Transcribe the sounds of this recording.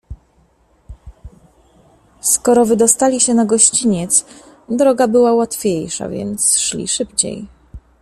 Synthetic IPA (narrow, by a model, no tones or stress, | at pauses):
skɔɾɔvɘd̪ɔst̪alʲiɕɛnaɡɔɕt͡ɕiɲɛt̪s | d̪ɾɔɡabɘwawat̪fʲejʂa̰vʲjɛ̰nt̪sʂlʲḭʂɘpt͡ɕḛj